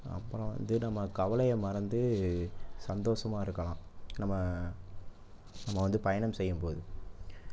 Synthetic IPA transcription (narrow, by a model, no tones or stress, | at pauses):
ɐ̰pːlɔ̃ʋɐ̰nd̪ɯnɐmːɐkɐʋɐlɐjɐmɐɾɐnd̪ɯ | sɐnd̪oːsɐmaːɪɾɯkːɐlãːnɐmːɐ | nɐmːɐʋɐnd̪ɯpɐjɐnɐmsɛjːɯmpoːðɯ